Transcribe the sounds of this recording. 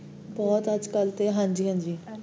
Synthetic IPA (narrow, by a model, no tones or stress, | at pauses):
bɔːt̪əd͡ʒkəlt̪eːɦãːɲd͡ʒiːɦãːnd͡ʒiː